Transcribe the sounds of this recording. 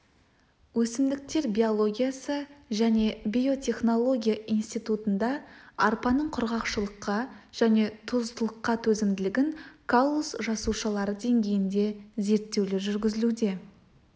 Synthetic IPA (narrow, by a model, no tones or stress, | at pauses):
wɵsɪmd̪ɪk̚t̪e̞ɾbʲijo̞lˠo̞ɡʲijasəʒæne̞bʲio̞t̪ʲʰe̞χno̞lˠo̞ɡʲijaʔijnst̪ijt̪ut̪ənd̪ɑɑɾpɑnəɴqʰʊɾʁɑqʃəlˠəqːɑʒ̥æne̞t̪ʰʊzt̪əlˠəqːɑt̪ʰɵzɪmd̪ɪlɪɡʲɪnkʰolˠːosʒɑsuʃɑlˠɑɾəd̪e̞ŋɡʲe̞jɪnd̪e̞ze̞ɾt̪ːe̞wlɪʒʏɾɡʲɪzɪlud̪e̞